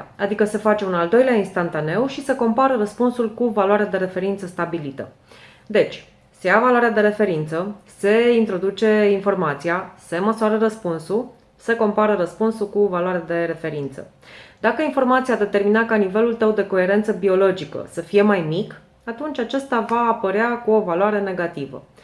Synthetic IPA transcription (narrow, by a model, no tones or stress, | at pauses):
a̰d̪ikəse̞fat͡ʃe̞unald̪o̞jleainst̪ant̪ane̞wʃisəko̞mpaɾəɾəspunsulkuvaloaɾead̪e̞ɾe̞fe̞ɾint̪səst̪abilit̪ə̰ | d̪e̞t͡ʃʲ | se̞javalwaɾead̪e̞ɾe̞fe̞ɾint̪səse̞int̪ɾo̞d̪ut͡ʃe̞info̞rmat̪sijase̞məsoaɾəɾəspunsu | səko̞mpaɾəɾəspunsulkuvalwaɾead̪e̞ɾe̞fe̞ɾint̪sə̰ | d̪akəinfo̞rmat̪sijad̪e̞t̪e̞rminakanive̞lult̪əwd̪e̞ko̞e̞ɾe̞nt̪səbio̞lo̞d͡ʒikə̰səfije̞majmik | at̪unt͡ʃʲat͡ʃest̪avaːpəɾeakuo̞valwaɾe̞ne̞ɡat̪ivə̰